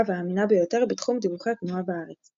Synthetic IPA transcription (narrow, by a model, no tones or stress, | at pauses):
veaːminabejo̞t̪eʁbet̪χumd̪ivuχaknuabaaʁet͡s